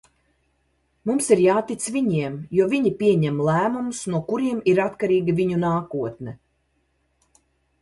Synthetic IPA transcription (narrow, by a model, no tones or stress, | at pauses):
mumsiɾjaːt̪it̪sviɲiɛmjuɔviɲipʲiɛɲɛmlˠæːmumusnuɔkuɾiɛmiɾat̪kaɾiːɡʲiviɲunaːkuɔt̪nɛ